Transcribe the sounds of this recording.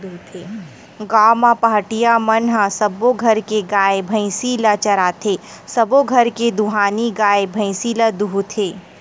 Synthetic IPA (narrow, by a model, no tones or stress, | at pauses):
t̪ʰe | ɡaːmãpaɦʈijamɐnɦasɐboɡʱɐɾkeɡaːebʱɐ̃ɪ̃silat͡ʃɐɾaːt̪ʰe | sɐboɡʱɐɾked̪uɦaːniɡaːebʱɐ̃ɪ̃siːləd̪uɦut̪ʰeː